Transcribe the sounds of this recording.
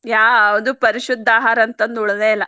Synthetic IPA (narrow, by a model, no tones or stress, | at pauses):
jaːʋɐd̪upɐɾiʃud̪ʱːaːɦaːɾɐnt̪ɐnd̪uɭd̪eːjlːɐ